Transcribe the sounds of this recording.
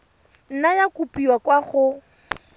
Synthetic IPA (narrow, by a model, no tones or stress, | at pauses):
n̩najakupʼiwakwaχʊ